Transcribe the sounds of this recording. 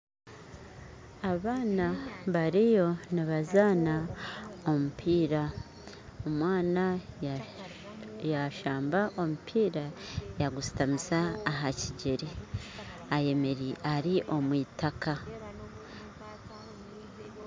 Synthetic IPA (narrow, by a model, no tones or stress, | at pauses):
aβaːnaβaɾijo̞niβazaːna | o̞mupʰiːɾa | omwaːna | jaʃaːmbaʔo̞mupʰiːɾajaɡusi̥tamisaːɦaciɟeɾi | aje̞me̞ɾiʔaɾiʔo̞mwiːtaka